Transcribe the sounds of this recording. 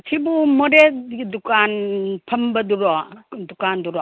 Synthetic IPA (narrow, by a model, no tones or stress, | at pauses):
tʰibumɔɾedukanpʰɐmbɐduɾɔdukanduɾɔ